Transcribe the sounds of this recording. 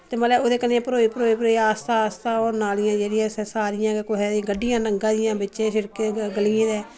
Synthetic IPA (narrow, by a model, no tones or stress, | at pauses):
t̪eːməlɛːoːd̪eːkənːẽːpəɾoːiːpəɾoːiːpəɾoːiaːst̪aːst̪ãːoːɾnaːlɪjãːd͡ʒeːɾɪjãːsɛsaːɾɪjãːkekoɦeːd̪iɡəɖɪjãːnəŋɡãːd̪ɪjãːbɪtːʃẽːʃɪɾkeɡəliẽːd̪ɛː